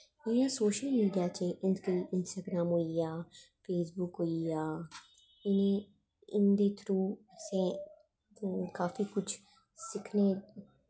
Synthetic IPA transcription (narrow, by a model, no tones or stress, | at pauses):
ɪjãːsoːʃəlmiːɖijaːt͡ʃeʔɪnkiʔɪnsʈaːɡɾaːmɦoːijaː | feːsbʊkɦoːijaː | ɪnẽ | ɪnd̪eːt̪ʰɾuːsẽ | kaːfikʊt͡ʃʰ | sɪkʰne